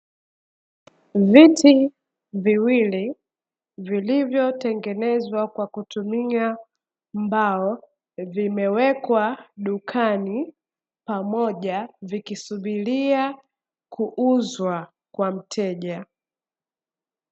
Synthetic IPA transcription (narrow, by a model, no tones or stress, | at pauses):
viti | viwili | vilivjɔtɛŋɡɛnɛzwakwakutumia | mbaɔ | vimɛwɛkwaɗukʰani | pamɔʄavikisuɓilia | kʰuʔuzwa | kwam̩tʰɛʄa